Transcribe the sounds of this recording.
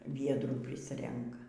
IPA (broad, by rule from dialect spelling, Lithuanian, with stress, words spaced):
ˈʋʲiɛdruː ˈpʲrʲɪsʲrʲɛŋkɐ